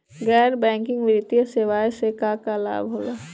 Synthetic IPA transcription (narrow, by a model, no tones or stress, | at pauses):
ɡɛːɾbɛ̃ːŋkɪ̃ŋɡʋɪɾɪt̪ijəseːʋaːjsekaːkala̰ːbɦoːla